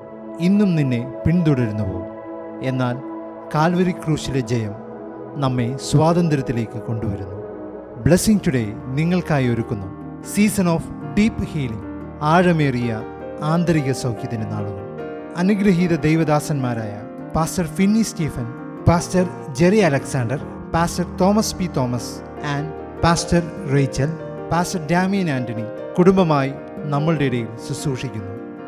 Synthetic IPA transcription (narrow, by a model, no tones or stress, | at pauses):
inːumninːe̞piɳt̪uɽɐɾunːɐpoː | e̞nːaːl | kaːlʋɐɾikruːʂiled͡ʑɐjɐm | nɐmːe̞swaːd̪ɐnd̪ɾɐt̪ːile̞ːkːɨko̞ɳɖuʋɐɾunːu | bɭesiŋt͡ɕuɽeniŋːɐɭkaːjoɾukːunːu | siːsɐno̞ːf | ɖiːpːhiːliŋ | aːɻɐmeːrijɐ | aːnd̪ɐɾiɣɐsɐwkjɐðinena̰ːɭunːu | ɐnuɡɾɐɦiðɐd̪ejʋɐd̪aːsɐnmaːɾaːjɐ | paːstɐrfinːisteːfɐn | paːstɐr | d͡ʑeriɐlɐksaːɳɖɐr | paːstɐrt̪o̞ːmɐspit̪o̞ːmɐs | aːn | paːstɐr | rejt͡ɕːɐl | paːstɐrdaːmijɐnaːndɐɳi | kuɽumbɐmaːji | nɐmːɐɭɨɽeiɽɐjilsusuːʂikʲːunːu